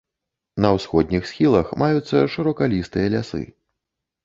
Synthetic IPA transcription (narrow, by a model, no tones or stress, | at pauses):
nɐwsxɔd̪̚ʲnʲixsʲxʲilˠɐxmajut̪sːɐʂɨɾɔkalʲist̪ɨjɐlʲasɨ̰